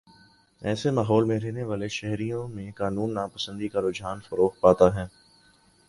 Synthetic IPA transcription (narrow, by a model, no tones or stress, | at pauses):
ɛːsemaːɦɔːlmẽɾɛɦneʋaːleʃɛɦɾijõmẽkaːnuːnːaːpɐsə̃nd̪ikaɾʊd͡ʒɦaːnfɐɾoːxpaːt̪aɦɛː